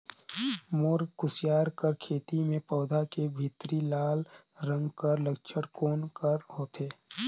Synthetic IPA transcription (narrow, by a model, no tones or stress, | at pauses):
moːɾkʊsjaːɾkəɾkʰeːt̪imẽpɔːd̪ʱakebʱɪt̪ɾilaːlɾə̃ŋɡkəɾləkt͡ʃʰəɽkoːnkəɾhoːt̪eː